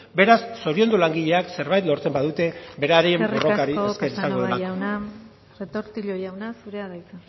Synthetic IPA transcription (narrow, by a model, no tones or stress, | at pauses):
be̞ɾasːo̞ɾio̞nd̪ulaŋɡiʎe̞akse̞ɾβajt̪lo̞ɾt͡se̞mbaðut̪e̞be̞ɾaɾeembroro̞kaɾiekesesaŋɡoðelaawna | ret̪oɾt̪iʎojawnasuɾeaðajt͡sa